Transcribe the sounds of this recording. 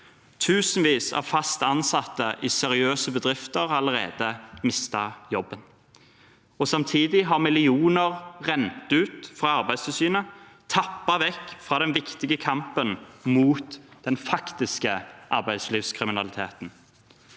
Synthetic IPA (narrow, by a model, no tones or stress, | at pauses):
t̪ʰʉːsən̩ʋiːsæ̰fɑst̪əɑnsɑt̪ːəʔɪsɛɾɪøːsəbəd̪ʁɪft̪əʁɑləʁeːd̪əmɪst̪ɑjɔbːən | ɔsɑmt̪ʰiːd̪ɪɦɑʁmɪlɪuːnəʁʁɛnt̪ʉːt̪fʁɑɑʁbæɪst̪ʰɪsyːnə | t̪ʰɑpːɑʋɛkːfʁɑːd̪ɛnʋɪkt̪ɪɡəkʰɑmpənmuːt̪d̪̥ɛnfɑkt̪ɪskəʔɑɾbæɪsliːʋskʰʁɪmɪnɑlɪt̪ʰḛːt̪n̩